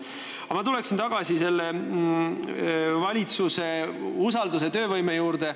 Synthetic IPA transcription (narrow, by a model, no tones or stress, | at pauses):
ɑmɑt̪ule̞ksint̪ɑɡ̥ɑsise̞lːe | vɑlʲit̪suse̞usɑld̪us̬e̞t̪ø̞ːvɤjmejuːɾd̪e̞